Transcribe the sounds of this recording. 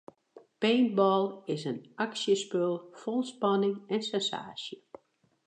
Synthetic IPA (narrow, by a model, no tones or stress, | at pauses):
peːnbɔlˠɪsənaksjəspølˠfolˠspɑnɪŋɛnsɛnsa̰ːsjə